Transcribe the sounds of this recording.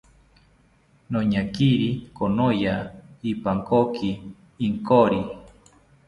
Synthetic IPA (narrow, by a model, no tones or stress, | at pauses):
noɲakiɾikonojaipaŋkokiː | ŋkoɾi